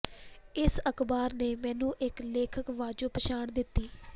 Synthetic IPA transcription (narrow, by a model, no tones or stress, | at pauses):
ɪsəkʰbaːɾneːmɛ̃ːnũːʔɪkleːkʰəkʋaːd͡ʒoːpəʃaːɳd̪ɪt̪ːiː